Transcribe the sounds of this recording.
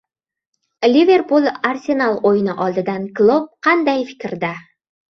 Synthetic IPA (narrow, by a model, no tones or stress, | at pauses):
lʲive̞ɾpulˠarsʲenalˠojɪnɪʔɒlˠd̪ɪd̪anklˠop̚qʰɑnd̪ajfɪ̥kʲɾd̪a